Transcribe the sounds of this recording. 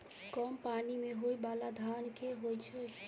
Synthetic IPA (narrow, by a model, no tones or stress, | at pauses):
kɔmpanimeɦojbalad̪ʱankeɦojt͡ʃʰɛ